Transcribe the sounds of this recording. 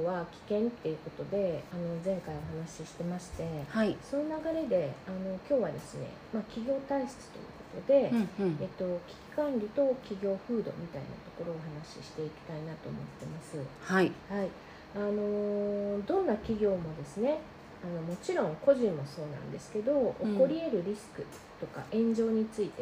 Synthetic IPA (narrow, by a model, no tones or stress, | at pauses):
βakʲi̥kẽ̞nt̪ːe̞iɯ̟ko̞t̪o̞d̪e̞ano̞zẽ̞ŋkaio̞ɦanaɕiɕi̥t̪e̞maɕi̥t̪e̞haiso̞nonaɡaɾe̞d̪e̞ano̞kʲo̞ːβad̪e̞sɨne̞̰makʲiɡʲo̞ːt̪aisɨ̥t͡sɨ̥t̪o̞̰jɯ̟̰ːko̞̥t̪o̞d̪e̞et̪ːo̞kʲi̥kʲi̥kãnɾʲit̪o̞kʲiɡʲo̞ːɸɯ̟ːd̪o̞̰mʲit̪aḭna̰t̪o̞ko̞ɾo̞ːɦanaɕiɕi̥t̪e̞ikʲi̥t̪ainat̪o̞̰ːmo̞̰t̪ːe̞masɨhaihai | ano̞d̪õ̞nːakʲiɡʲo̞ːmo̞d̪e̞sɨne̞ | ano̞mo̞t͡ɕiɾõ̞ŋko̞ʑĩmːo̞so̞ːnã̰nd̪e̞sɨ̥ke̞d̪o̞ːko̞ɾʲie̞ɾɯ̟ɾʲisɨ̥kɯ̟ | t̪o̞ka̰ʔẽ̞ɲ̟d͡ʑo̞ːɲ̟it͡sɨit̪e̞